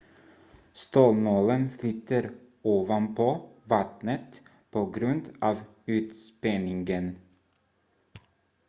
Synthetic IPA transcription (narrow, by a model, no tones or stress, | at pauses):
st̪oːlmoːlənflʏt̪əɾ | oːʋɑnpʰoːvɑt̪nət̪ | pʰoːɡɾʉnd̪ʔɑːʋ | ʉːt̪spɛnɪŋɡən